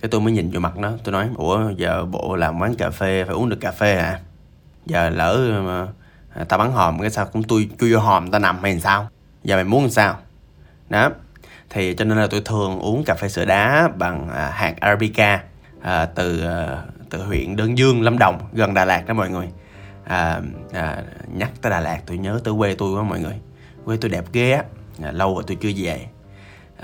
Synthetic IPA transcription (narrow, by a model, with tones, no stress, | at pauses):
kaː˨˦jt̪o˧jməː˨˦jɲï˨˩nzo̰˧˩ma˨˩t̚nə̰˨˦t̪o˧jnɔ˨˦jʔu˧˩əzəː˨˩ɓo̰˧˨laː˨˩mwaː˨˦nkaː˨˩fe˧faː˧˩ju˨˦nɗɨ˨˩əkːaː˨˩fe˧ha̰ː˧˩ | zəː˨˩ləː˧˩˨ | t̪aː˧ɓaː˨˦nɦɔː˨˩mkaː˨˦saː˧wkʊ̰˧˥ŋ͡mt̪u˧jt͡ɕu˧zo˧ɦɔː˨˩mt̪aː˧na˨˩mha˧˩ha˨˩saː˧w | zaː˨˩ma˨˩jmu˨˦n˨˩saː˧w | ɗɔ˨˦t̪ʰi˨˩t͡ɕɔ˧ne˧nla˨˩t̪o˧jt̪ʰɨ˨˩əŋʔu˨˦ənkaː˨˩fe˧sɨ̰˧əɗaː˨˦ɓa˨˩ŋə˨˩haː˨˩k̚ʔaː˧aː˧ɓi˧kaː˧ | ʔəː˨˩t̪ɨ˨˩˨t̪ɨ˨˩hwḭ˧˨ənɗəː˧nzɨ˧əŋla˧mɗə˨˩wŋ͡mɣə˨˩nɗaː˨˩laː˨˩k̚ɗəː˨˧˦mɔ̰˧˨jŋɨ˨˩əj | ʔəː˨˩ʔəː˨˩ɲa˦˥k̚t̪əː˨˦jɗaː˨˩laː˨˩k̚t̪u˧jɲəː˨˦t̪əː˨˦kwe˧t̪u˧jkaː˨˦mɔ̰˧˨jŋɨ˨˩əj | kwe˧t̪u˧jɗɛ˨˩p̚ɣe˧aː˨˦˨lə˧wvaː˨˩t̪u˧jt͡ɕɨ˧əze˨˩